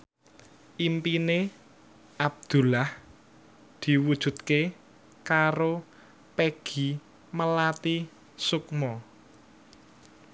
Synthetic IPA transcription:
ʔimpine | ʔab̚d̪̥ṳlah | d̪̥i̤wud̥ʒ̥ṳt̪ke | kaɾo | peɡ̥i̤ | məlat̪i | sukmɔ

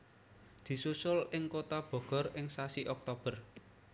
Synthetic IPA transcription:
d̪̥i̤susʊlɪŋkot̪ab̥ɔ̤ɡ̥ɔ̤rɪŋsasiʔɔk̚t̪ob̥ə̤r

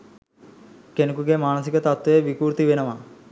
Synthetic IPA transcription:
kenukuɡemaːnəs̬ikət̪at̪weʋikuːɾt̪iʋenəʋa

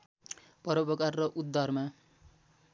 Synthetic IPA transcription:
pʌɾʌpʌkarrʌʔud̪ːʌrma

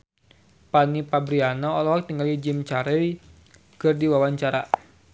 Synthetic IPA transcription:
panipabɾianɔːlɔɦɔk̚t̪iŋɡalid͡ʒimt͡ʃaɾɛl | kɨrdiwawaɲt͡ʃaɾa̰

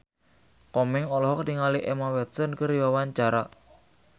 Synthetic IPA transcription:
kɔmɪŋɔlɔɦɔk̚diŋaliʔɛmawɛt̪sənkəɾiwawaɲt͡ʃaɾa

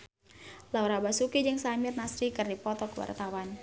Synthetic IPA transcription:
lawɾabasukid͡ʒəŋsamɪrnasɾikɨrdipɔt̪ɔkəwa̰rt̪awan

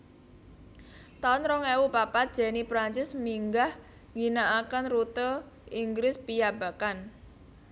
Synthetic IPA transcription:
t̪aʊnɾɔŋɛwupapad̥ʒ̥ɛ̤nipɾaɲt͡ʃɪsmiŋɡah | ŋinaʔakənrut̪ə | iŋɡɾɪspijab̥a̤kan

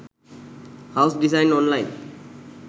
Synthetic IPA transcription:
haʊsdisãɪ̃nɔ̃nlaj̃n

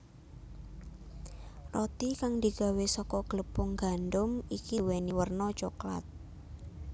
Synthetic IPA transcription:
rɔt̪ikaŋd̪i̤ɡ̥a̤wesɔkɔɡ̥ələpʊŋɡanɖʊmikiweniwərnɔt͡ʃokla̰t̪̚

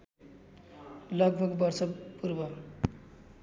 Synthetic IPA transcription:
lʌɡ̚bʱʌɡbʌrsʌpuɾbʌ

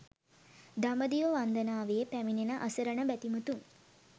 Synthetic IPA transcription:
d̪aməd̪ijoʋand̪ənaːʋejepæminenəʔəsəɾəɳəbæt̪imut̪uŋ

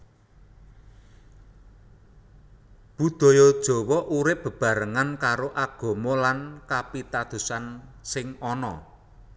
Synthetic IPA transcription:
b̥ṳd̪̥ɔ̤jɔd̥ʒ̥ɔ̤wɔʔuɾɪp̚b̥ə̤b̥a̤ɾəŋankaɾoʔaɡ̥o̤mɔlankapit̪ad̪̥ṳsansɪŋɔnɔ̰

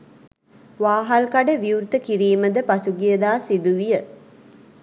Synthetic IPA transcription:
ʋaːɦalkaɖəʋiuɾt̪əkiɾiːməd̪əpasuɡijəd̪aːsid̪uʋijə

